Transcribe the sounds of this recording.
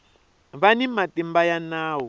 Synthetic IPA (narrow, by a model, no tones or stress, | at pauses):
βanimatimbajanaːwɔ